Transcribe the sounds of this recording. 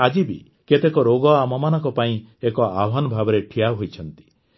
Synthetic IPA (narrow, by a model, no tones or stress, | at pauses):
ad͡ʒibḭ | ket̪ekɔɾoɡɔamɔmanɔŋkɔpaĩekɔabʱɔnɔbʱabɔɾeʈʰijaɦojt͡ʃʰɔnt̪i̥